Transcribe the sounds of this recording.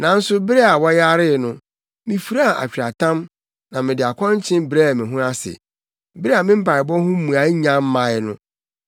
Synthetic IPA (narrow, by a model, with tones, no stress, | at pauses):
nã˨n̩˦sʊ˦bɪ˦ɾɛ˦a˨wɔ˦ja˦ɾɪ˦˨nʊ̃˦ | mĩ˨fu˨ɾa˦a˨ʔa̰˨t͡ɕᶣɾa˨tʰã˦m | nã˨mɪ̃˨dɪ˨a˨kʰɔ̃˦ɲ˦t͡ɕʰɪ̃˦nbɾe˦a˨mɪ̃˨ɦũ˦a˦sɪ̰˨ | bɾe˦a˨mɪ̃˦m̩˦pʰa˨ɪ˨bɔ̃˦hʊ̃˦m˦mũ˨a˨˦ɲã˦m˦mã˨ɪ˦nʊ̃˦